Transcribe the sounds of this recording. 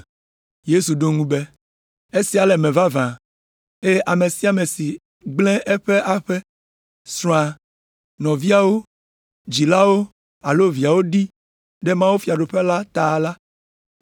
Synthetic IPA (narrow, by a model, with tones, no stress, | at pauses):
je˦su˨ɖo˦ŋũ˦be˦ | e˦si˦a˨lɛ˨mɛ̃˨va˦vã˨ | e˦ʔa˨me˨si˨a˨me˨si˨ | ɡ͡blɛ̃˦ʔɛ˦ɸe˦ʔa˦ɸe˦ | sɾɔ̃˨a˨ | nɔ̃˨vi˦a˨wo˦ | d͡ʑi˨la˦wo˦ | a˨lo˦vi˨a˨wo˦ɖi˦ | ɖe˦mã˦wo˦fi˨a˨ɖo˨ɸe˦la˦t̪a˨la˦